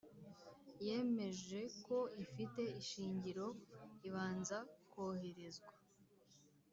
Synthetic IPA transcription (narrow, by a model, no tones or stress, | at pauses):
je̞ːme̞ʒe̞ko̞ifite̞iʃiːɲɟiɾo̞iβaːnzakoːhe̞ɾe̞zɡwa